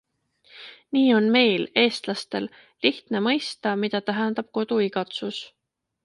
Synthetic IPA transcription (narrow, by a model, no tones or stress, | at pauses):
niːo̞nme̞jle̞ːst̪lɑst̪e̞l | liht̪nemɤjst̪ɑmid̪̥ɑt̪æɦɛnd̪̥ɑb̥̚ko̞d̪̥uiɡɑt̪sus